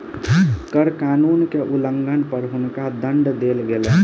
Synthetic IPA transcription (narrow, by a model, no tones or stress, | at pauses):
kəɾkanunkeʔuləŋɡʱənpəɾɦunkad̪əɳɖd̪elɡelɛ